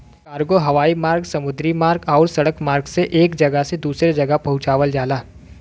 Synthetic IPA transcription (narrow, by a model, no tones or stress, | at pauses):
kaːɾɡoɦɐʋaːimaːɾɡsɐmʊd̪ɾimaːɾɡɔːɾsɐɽəkmaːɾɡseʔeːkd͡ʒɐɡəsed̪uːsɾed͡ʒɐɡəpɐɦʊ̃t͡ʃaːʋəld͡ʒaːlaː